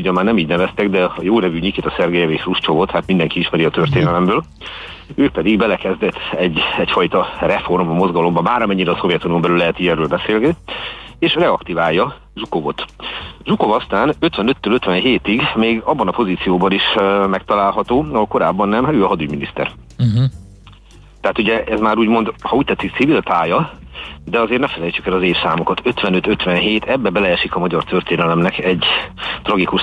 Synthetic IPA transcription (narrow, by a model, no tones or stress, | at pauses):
ɟɒmaːrnɛmiːɟnɛvɛst̪ɛɡd̪ɛjoːnɛvyɲikit̪ɒsɛrɡɛjɛveːʃruʃt͡ʃovo̞t̪haːt̪mind̪ɛŋkiiʃmɛɾiɒt̪ørt̪eːnɛlɛmbøːl | øːpɛd̪iɡbɛlɛkɛzd̪ɛt̪ʰːɛɟːɛcfɒjt̪ɒrɛfo̞rmɒmo̞zɡɒlo̞mbɒbaːɾɒmɛɲːiɾɛːso̞vjɛt̪uniombɛlylːɛɦɛt̪iɛɾøːlbɛseːlɡɛieːʃrɛɒkt̪ivaːjːɒ | ʒukovot̪ʒuko̞vɒst̪aːnøt̪ʋɛnøt̪ːøːløt̪ʋɛnɦeːt̪iɡmeːɡɒbːɒnɒpo̞ziːt̪sijoːbɒniʃmɛkt̪ɒlaːlɦɒt̪oːɒɦolko̞ɾaːbːɒnːɛmaøːɒɦɒd̪yɟminist̪ɛ̰r̩ | t̪ɛɦat̪uɟɛʔɛzmaːɾuːɟmo̞nd̪hɒuːc̚t̪ɛt̪sikt̪sivilt̪aːjɒ | d̪ɛɒzeːrnɛfɛlɛjt͡ʃykɛlɒzeːfsaːmokɒt̪ʰø̞t̪ʋɛnø̞t̪øt̪ʋɛnɦeːt̪ɛbːɛbɛlɛʃikɒmɒɟɒrt̪ø̞rt̪eːnɛlɛmnɛkɛɟːt̪rɒɡikuʃ